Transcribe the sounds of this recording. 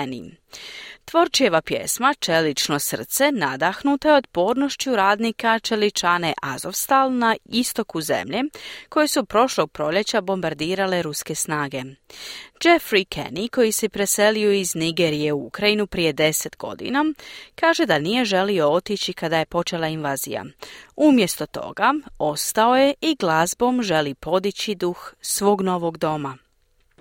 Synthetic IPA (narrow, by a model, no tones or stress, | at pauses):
nḭ | t̪ʋo̞ɾt͡ʃije̞ʋapjḛsmat͡ʃe̞lit͡ʃno̞sər̩t̪se̞nad̪axnut̪ajeo̞t̪po̞ːɾno̞ʃt͡ɕuɾaːd̪nikat͡ʃe̞lit͡ʃane̞ʔazo̞fst̪alnaist̪o̞kuze̞̰mʎe̞ko̞jesupɾo̞ʃlo̞ɡ̚pɾo̞ʎe̞t͡ɕabo̞mbaɾd̪iːɾale̞ɾuske̞snaːɡe̞ | d͡ʒe̞fɾikʰḛniko̞jisepɾe̞se̞lioizniɡeɾije̞uukɾajinupɾije̞d̪e̞se̞t̪ɡo̞̰d̪ḭnakaːʒe̞d̪anije̞ʒe̞lio̞o̞t̪it͡ɕikad̪aje̞po̞t͡ʃe̞lˠainʋaːzḭja̰umje̞st̪o̞t̪o̞̰ɡao̞st̪ao̞je̞ʔiɡlˠazbo̞mʒe̞lipo̞d̪it͡ɕid̪uxsʋo̞ːɡno̞ʋo̞ɡd̪o̞ma